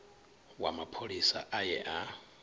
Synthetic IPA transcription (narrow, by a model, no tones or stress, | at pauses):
wa̰mapʰoɺisaʔajɛʔa